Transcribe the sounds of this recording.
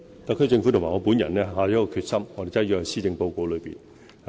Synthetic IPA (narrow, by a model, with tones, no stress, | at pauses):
t̪ɐ˨kʰːɵ˥ɥt͡sɪ˧ŋfu˨˥t̪ʰmaː˨˩ŋɔː˨˧puː˨˥njɐ̰˨˩nlɛː˥ɦaː˧˩ɔ˧˥kɔː˧kʰyː˧t̚sɐ˥mŋɔː˧t̪e˨jt͡sɐ˥˩jyː˧hɐ˨˧˩siː˥t͡sɪ˧ŋpo˧wko˧wlɵ˨˧ɥpḭ˨n